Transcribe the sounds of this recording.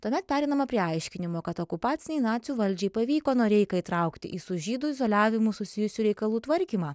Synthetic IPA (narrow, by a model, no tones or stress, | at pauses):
t̪uɔmʲɛt̪̚pʲæːɾʲɛɪnɐmɐpʲɾʲiɐɪʃʲkʲɪnʲɪmoːkɐt̪okʊpɑːt̪sʲɪnʲɛɪnɑːt̪sʲjuːʋɐlʲd͡ʒʲɛɪpɐʋʲiːkoːnoːɾʲɛɪkɐiːt̪ɾɐʊkt̪ʲɪ̰ʔiːsʊʒʲiːd̪ʊɪzoːlʲæːʋʲɪmʊsʊsʲɪjʊsʲuːɾʲɛɪkɐlˠuːt̪ʋɐɾʲkʲiːmɑː